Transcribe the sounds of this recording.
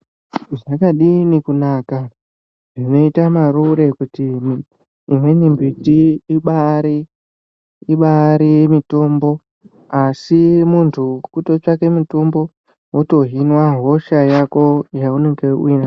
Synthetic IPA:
ʐakaɗinikunaːka | ʐino̞itamaɾuɾe̞kutimː | mwe̞nimbitiiɓaɾi | iɓaɾijemito̞ːmbo̞ | asimuntʰukuto̞t͡ʃake̞mitombo̞ | woto̞ɦinwaɦo̞ʃajako̞jauneŋɡeina

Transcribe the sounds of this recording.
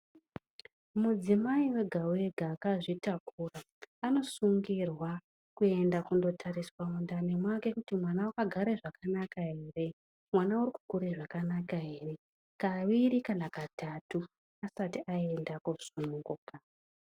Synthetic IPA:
mud͡zimaiwe̞ɡʱawe̞ɡʱaːkaʐitakuːraː | no̞suŋɡirwa | kue̞ndakundo̞tʰariswaundane̞mwake̞kutimwanawakaɡʱaɾeʐakanakaɦe̞re̞ | mwanauriku̥kuɾeʐakanakaɦe̞re̞ | kaʋiɾikanakatʰatu | asatiʔaendakuz̥unuŋɡuka

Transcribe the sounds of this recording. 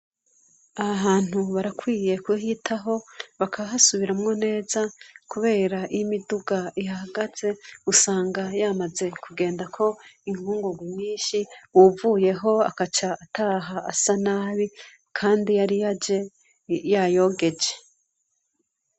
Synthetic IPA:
aaβaːn̥huβaɾakwiːje̞kuɦitʰaɦo̞βakʰaβaɦasuβiɾamŋo̞ne̞ːzakuβe̞ːɾaʔijimiduɡaihahaɡaz̥e̞usaːŋɡajamaze̞kʰuɡe̞ːndakʰo̞iŋhuːŋɡuɡwimɲiːnʃiwuvuːje̞ɦo̞a̰kat͡ʃaːtaɦaasanaːβi | kʰaːndijaɾijad͡ʒe̞ | jajo̞ːɡe̞d͡ʒe̞̥

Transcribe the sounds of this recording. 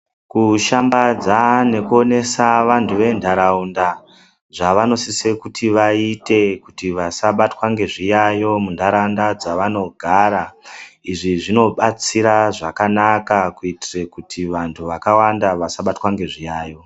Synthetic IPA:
kuʃambad͡zane̞kuo̞ne̞saʋantʰuʋe̞ndʱaɾaunda | ʐaʋano̞sisekutʰiʋaite̞kutiʋasaɓatwaŋɡe̞ʐijajo̞mundʱaɾaundad͡zaʋano̞ɡʱaːɾaiʐiʐino̞ɓat͡siɾaʐakanakakuitire̞kutʰiʋantʰuʋakawandaʋasaɓatwaŋɡe̞ʐijaːjo̞

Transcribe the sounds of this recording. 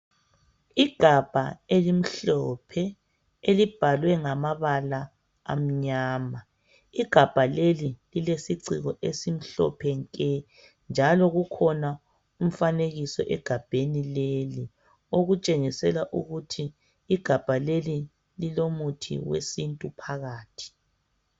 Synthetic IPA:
iɡ̥ʱab̥ʱaelim̩ɬɔpʰɛ | elib̥ʱalwɛŋamaβala | a̰m̩ɲaːma | iɡ̥ʱab̥ʱalelililesiǀiɣɔʔesim̩ɬɔ̰pʰɛŋkʼɛ | nd͡ʒʱalɔɣukʰɔna | um̩faneɣisɔ̰ʔɛɡ̥ʱab̥ʱenileli | oɣut͡ʃʼeŋisɛlaʔṵɣutʰiː | ɡ̥ʱab̥ʱaleli | lilomutʰḭwḛsintʼupʰaɣaːtʰi̥

